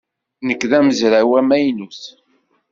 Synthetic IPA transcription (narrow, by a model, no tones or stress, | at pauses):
nəkːðæməzɾawæmæjnuθ